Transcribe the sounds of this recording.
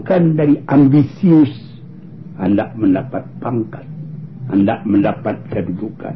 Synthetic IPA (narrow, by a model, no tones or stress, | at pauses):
kandaɾiʔambisius | andaʔməndapat̪̚paŋkat̪̚a̰ndaʔməndapat̪̚kəduduka̰n